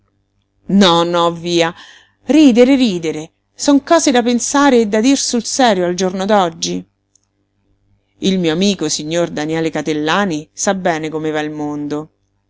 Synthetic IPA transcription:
nɔnɔviːa | riːd̪eɾeɾiːd̪eɾe | sɔŋkɔːzed̪apensaːɾeːd̪ːad̪irsulsɛːɾjoald͡ʒornod̪ɔd͡ʒːi | ilmiːoamiːkosiɲːord̪anjɛːlekat̪elːaːnisabːɛːnekomevailmond̪o

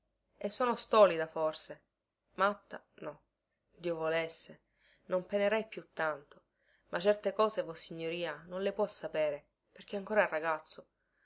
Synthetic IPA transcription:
esːoːnost̪ɔːlid̪aforse | mat̪ːa̰ | nɔ | d̪iːovolesːe | nompeneɾɛjpjut̪ːant̪o | mʔat͡ʃːɛrt̪ekɔːzevɔsːiɲːoɾiːanonlepwɔsːapeːɾe | perk̟eaŋkoːɾaerːaɡat̪sːo

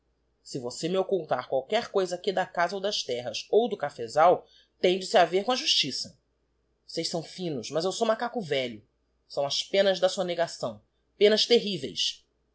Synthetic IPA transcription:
sɪvosemɪokuwt̪aɾkwawkɛɾkojzɐkid̪ɐkazɐowd̪ɐʃt̪ɛɦɐsowd̪ʊkafezaw | t̪ẽj̃d͡ʒɪsɪaveɾkõɐʒuʃt͡ʃisɐ | osejʃsɐ̃w̃fĩnʊʃmɐzewsoũmakakʊvɛʎʊ | sɐ̃w̃ɐspẽnɐzd̪ɐsuɐneɡasɐ̃w̃ | pẽnɐst̪eɦivḛjs

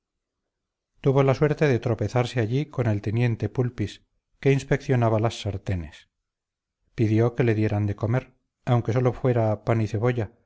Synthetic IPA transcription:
t̪uβo̞laswe̞ɾt̪e̞ðet̪ɾo̞pe̞θaɾseaʎiko̞ne̞lt̪enje̞nt̪e̞pulpis | ke̞inspe̞kθjo̞naβalasːaɾt̪e̞ne̞s | piðjo̞ke̞le̞ðje̞ɾand̪e̞ko̞me̞ɾ | awŋke̞so̞lo̞fwe̞ɾapaniθe̞β̞o̞ʝa

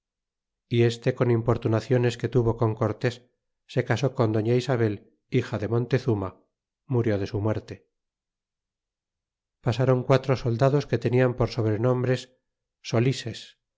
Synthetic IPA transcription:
ie̞st̪e̞ko̞nimpo̞ɾt̪unaθjo̞ne̞ske̞t̪uβo̞ko̞ŋko̞ɾt̪e̞sː | e̞kaso̞ko̞nd̪o̞ɲaisaβ̞e̞l | ixaðe̞mõ̞nt̪e̞θuma | muɾjo̞ð̞e̞sumwe̞ɾt̪e̞ | pasaɾo̞ŋkwat̪ɾoso̞ld̪aðo̞ske̞t̪e̞niampoɾso̞β̞ɾe̞nõ̞mbɾe̞sː | o̞lises

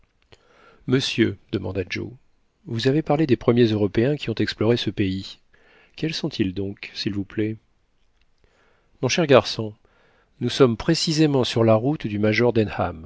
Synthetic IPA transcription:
məsjød̪əmɑ̃d̪ad͡ʒo̰ | vuzavepaʁled̪epχəmjezøʁɔpeɛ̃kʲiɔ̃t̪ɛksplɔʁesəpei | kʲɛlsɔ̃t̪ʰild̪ɔ̃ksilvuplɛ | mɔ̃ʃɛʁɡaʁsɔ̃ | nusɔmpχesizemɑ̃syʁlaʁut̪d̪ymaʒɔʁd̪ɛnha̰m

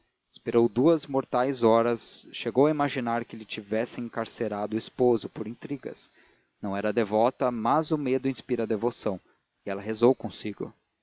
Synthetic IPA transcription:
ɪspeɾowd̪uɐzmoɾt̪ajzɔɾɐsʃeɡowɐimaʒinaɾkɪlɪt͡ʃivɛsɪ̃ẽŋkaɾseɾad̪ʊispozʊpoɾĩt̪ɾiɡɐ̰s | nɐ̃w̃ɛɾɐd̪evɔt̪ɐmɐzʊmed̪ʊĩspiɾɐd̪evosɐ̃w̃ | ɪɛlɐɦezowkõsiɡʊ̰

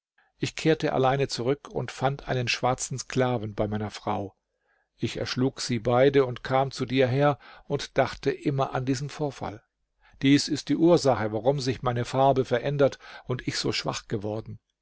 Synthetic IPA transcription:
ʔɪçkʰeːɐtəʔa̰laɪnət͡suʁʏkʰʊ̰ntfantʔa̰ɪnənʃv̥aɐt͡sn̩sklaːvn̩baɪmaɪnɐfʁ̥aʊ | ʔɪçɛ̰ɐʃluːkz̥iːbaɪdəʊntkʰaːmt͡sudiːɐɦeːɐʊntd̥aχtəʔɪmɐʔandiːzən̩foːɐfa̰l | d̥iːsɪst̚d̥iːʔuːɐzaχəvaʁʊmzɪçmaɪnəfaɐbəfɛɐʔɛndɐtʊntɪçz̥o̰ːʃv̥a̰χɡ̥əvɔɐdn̩

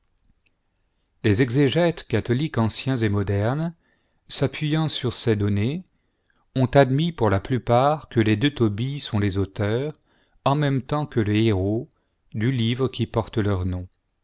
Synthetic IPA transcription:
lezɛɡzeʒɛt̪kat̪ɔlikɑ̃sjɛ̃zemɔd̪ɛʁn | sapɥijɑ̃syʁsɛd̪ɔne | ɔ̃t̪ad̪mipuʁlaplypaʁkəled̪øt̪ɔbisɔ̃lezot̪œʁ | ɑ̃mɛmt̪ɑ̃kələeʁo | d̪ylivʁəkʲipɔʁt̪lœʁnɔ̃

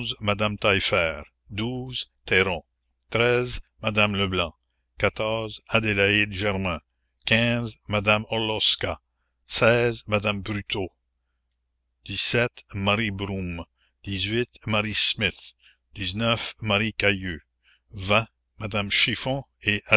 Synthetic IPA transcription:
zmad̪amt̪ajfɛːʁ | d̪uzt̪ɛʁɔ̃ | t̪ʁɛzmad̪amləblɑ̃ | kat̪ɔʁzad̪elaid̪ʒɛʁmɛ̃ | kʲɛ̃zmad̪amɔlɔska | sɛzmad̪ambʁyt̪ʰo | d̪̥isɛt̪maʁibʁũm | d̪̥izɥit̪maʁismit̪ | d̪̥iznœfmaʁikajø | vɛ̃ | mad̪amʃifɔ̃ | eʔa

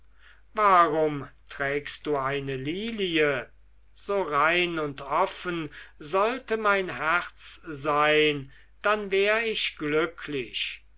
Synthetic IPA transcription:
vaːʁʊmtʁɛːkst̚d̥uːaɪnəliːliə | z̥oːʁaɪnʊntʰɔfənzɔltəmaɪnɦæʁt͡szaɪn | d̥anvɛːʁəɪʃɡ̥lʏkʰlɪʃ

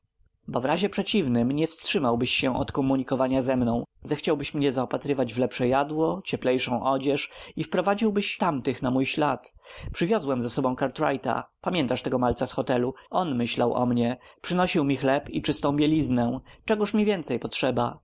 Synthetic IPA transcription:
bɔvɾaʑɛpʂɛt͡ɕivnɘmɲɛfstʂɘmawbɘɕːɛ̃ʔɔt̪kɔmuɲikɔvaɲazɛmnɔ̃w̃zɛxt͡ɕawbɘɕmɲɛzaɔpat̪ɾɘvad͡ʑvlɛpʂɛjad̪wɔt͡ɕɛplɛjʂɔ̃w̃ʔɔd͡ʑɛʂifpɾɔvad͡ʑiwbɘɕt̪amt̪ɘxnamujɕlat̪pʂɘvʲjɔzwɛmzɛsɔbɔ̃w̃kaɾt̪ɾajt̪a̰pamʲjɛnt̪aʂt̪ɛɡɔmalt̪sasxɔt̪ɛluɔnmɘɕlawʔɔ̰mɲɛpʂɘnɔɕiwmʲixlɛpit͡ʂɘst̪ɔ̃w̃bʲjelʲiznɛt͡ʂɛɡuʂmʲivʲjɛnt̪sɛjpɔtʂɛba

